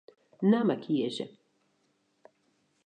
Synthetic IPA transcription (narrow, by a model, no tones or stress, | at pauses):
namakʰiɛʒɛ̰